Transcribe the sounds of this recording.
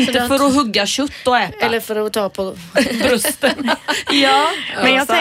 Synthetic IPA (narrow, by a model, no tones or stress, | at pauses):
nt̪əfœɾɔɦɵɡːaɕɵt̪ːɔɛːt̪ɛlːəɾfœɾɔt̪ʰɑːpʰɔbɾɵst̪ənjɑːmɛnjasɛ